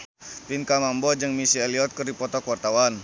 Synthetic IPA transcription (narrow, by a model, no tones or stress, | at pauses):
p̪inkamambɔd͡ʒəŋmisiɛliɔt̪̚kərdipɔt̪ɔkuwart̪awan